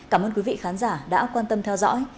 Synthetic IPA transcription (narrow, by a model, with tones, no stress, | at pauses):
kaː˧˩mʔəː˧nki˨˦vḭ˧˨xaː˨˦nzaː˧˩ɗa̰ː˧˥kwaː˧nt̪ə˧mt̪ʰɛ˧wzɔ̰ː˧˥j